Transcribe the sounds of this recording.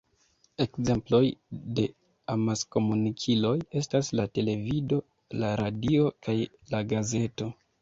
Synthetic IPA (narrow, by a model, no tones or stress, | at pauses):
e̞kze̞mplo̞jde̞ | amasko̞munikʰilo̞je̞staslate̞le̞vido̞ | laɾadio̞kaj | laɡaze̞to̞